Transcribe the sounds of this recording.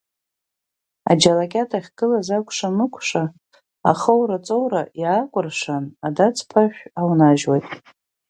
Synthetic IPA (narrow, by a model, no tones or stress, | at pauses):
a̰d͡ʒalakʲʼatʰaχʲɡ̥ɨlazakʷʰʼʂanɨkʷʰʂa | a̰χəwɾat͡sʼowɾajaːkʷʼʊrʂanadat͡sʰʼpʰaʃʷᶣawnaʒwajtʼ